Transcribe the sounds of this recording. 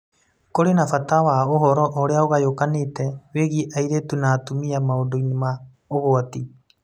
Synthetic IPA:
koɾenafatawaoɦɔɾɔʔoɾeaoɣajokaneːtɛweɣiʔaiɾetunatumiamaondoinema | oɣoati

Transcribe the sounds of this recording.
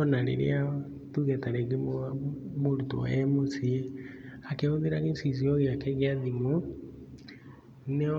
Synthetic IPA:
ɔnaɾḛɾḛa | tuɣɛtaɾɛɣemomoɾuto̰ɛmosieakeoðeɾaɣesis̬iɔɣeakɛɣeaðimo | nɛ

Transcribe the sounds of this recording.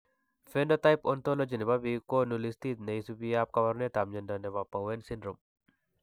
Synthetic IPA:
fenɖot̪ajpont̪olod͡ʒinebabikonulist̪iːt̪nejsubijaːp̚kɐβɐɾnet̪amd͡ʒɐndɐneβapːɐwensindɾum

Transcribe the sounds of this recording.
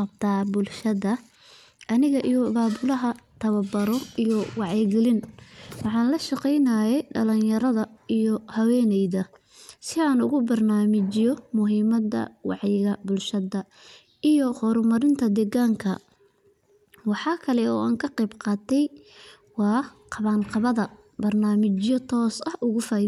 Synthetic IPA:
ɐbt̪ʰaːbʊlʃɐðɐ | ʔɐnɪɣɐʔijɔbaːbʊlɐɦɐt̪ʰɐβɐbɐɾɔʔijɔwɑʕɛɡɛlɪnwɑħɑːnlɐʃɑqɛjnaːjɛjɖɐ̰lɐnjɐɾɐðɐijɔhɐwɛːnɛjðɐ | sɪaːnʊ̰ɣʊbɐrnaːmɪt͡ʃɪjɔmʊɦiːmɐd̪ɐ̰wɑ̰ʕjɪɣɐbʊlʃɐðɐ | ijɔhɔːɾmɐɾɪnt̪ʰɐd̪ɛɣaːŋkʰɐ | wɑħɑːkʰɐlɛɔ̰ːaːŋkʰɐqɛjbqɑːt̪ʰɛj | wɑːqɑβaːnqɑβɐðɐ | bɐrnaːmɪt͡ʃjɔt̪ʰɔːsɐhʔʊɣʊfaː

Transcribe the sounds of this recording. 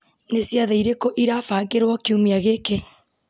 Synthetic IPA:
nesjaðeiɾekɔʔiɾafaɡeɾwɔkiumiaɣeke

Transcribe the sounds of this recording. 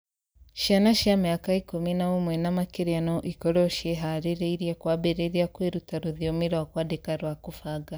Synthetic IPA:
ʃianaʃjamajakaikuminaomwɛnamakeɾianɔʔikɔɾɔʃɛɦaɾeɾeiɾjakwabeɾeɾiakweɾutaɾuðjomiɾwakwadekaɾwakufaɡa

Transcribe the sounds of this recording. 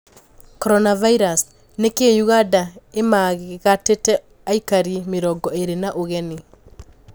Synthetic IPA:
kɔɾɔnavaiɾas | nekeɲuɣadaemaɣɣatetɛ | aikaɾimeɾɔɡɔeɾenaʔoɣɛne

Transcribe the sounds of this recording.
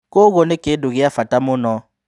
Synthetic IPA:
koɣonekedoɣijafatamonɔ

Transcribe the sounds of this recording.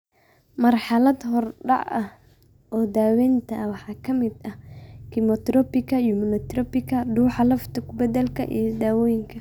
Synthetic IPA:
mɐrħɑlɐd̪ɦɔrɖɑ̰ʕɐh | ʔɔːd̪aːwɛːnt̪ʰɐwɑħɑːkʰɐmɪd̪ɐkʰɪmɔt̪ɾɔpɪkʰɐjʊmʊnɔt̪rɔpɪkʰɐɖuːħɑlɐft̪ʰɐkʰʊbɐd̪ɛlkʰɐ̰ʔḭjɞd̪aːwɔːjɪŋkʰɐ

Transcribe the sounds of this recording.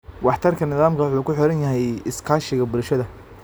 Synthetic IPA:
wɑħt̪ʰɐrkʰɐnɪðaːmkʰɐwʊħuːkʰʊħɔɾɐnjɐɦɛjɪskʰaːʃɪɣɐbʊɾʃɐðɐ

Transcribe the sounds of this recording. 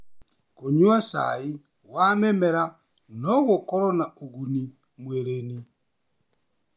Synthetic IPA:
koɲuasa̰i | wamɛmɛɾa | nɔɣokɔɾɔnaoɣuni | mweɾeni

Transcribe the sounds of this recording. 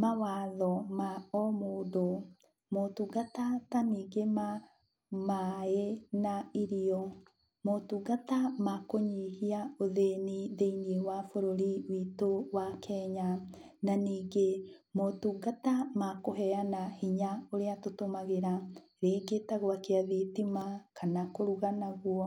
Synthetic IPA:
mawaːðɔmaɔmoːdo | motuɡatataniːɡema | maenaiɾiɔ | motuɡatamakoɲihiaoðeniðeiniewafoɾoɾiwiːtowakʰɛɲananiːɡemotuɡatamakoɦɛanahiɲaoɾeatotomaɣeɾa | ɾeːɡetaɣwakeaðitimakʰanakoɾuɣanaɣwɔ

